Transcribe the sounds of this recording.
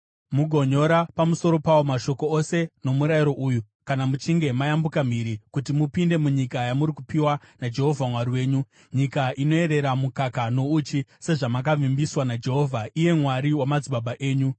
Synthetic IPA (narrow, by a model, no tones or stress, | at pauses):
muɡʱo̞ɲo̞ɾapamusoɾo̞pawo̞maʃo̞ko̞ose̞no̞muɾajiɾo̞ʔuju | kanamut͡ʃiŋɡe̞majambukam̤iɾikutimupinde̞muɲikajamuɾikupiwa | nad͡ʒe̞ɦo̞vʱamwaɾiwe̞ːɲu | ɲikaʔino̞e̞ɾe̞ɾamukakano̞ut͡ʃise̞ʐamak̬avimbiswanad͡ʒe̞ɦo̞vʱaije̞mwaɾiwamad͡ziɓaɓaʔe̞ːɲu